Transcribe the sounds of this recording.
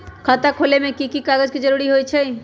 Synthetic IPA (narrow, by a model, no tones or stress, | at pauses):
kʰat̪akʰolemẽkikikaɡəd͡ʒkid͡ʒəɾuɾiɦojt͡ʃʰe